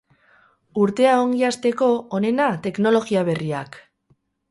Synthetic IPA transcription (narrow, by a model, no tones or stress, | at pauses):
uɾt̪e̞aoŋɡiast̪e̞ko̞one̞nat̪e̞kno̞lo̞ɣiaβ̞e̞ria̰k